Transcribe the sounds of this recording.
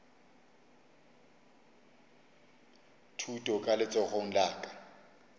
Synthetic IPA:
tʰutʼɔkʼalɪt͡sʼɔɣoŋ̩laːkʼḁ

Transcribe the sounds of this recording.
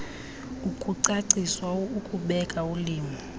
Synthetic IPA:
ukʼuǀaǀiswaukʼuɓɛkʼauliːmi

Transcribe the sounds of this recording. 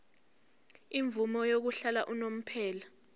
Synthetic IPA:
iɱvumɔjok̬uɬalaʔunom̩pʰɛːla

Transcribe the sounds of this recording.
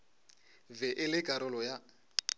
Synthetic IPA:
vɛʔɪlɪkʼaɾɔlɔja

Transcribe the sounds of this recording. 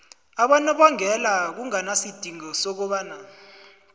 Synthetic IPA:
aɓanɛɓaŋɛlak̬uŋanasid̥ʱiŋɔsɔk̬ɔɓaːna

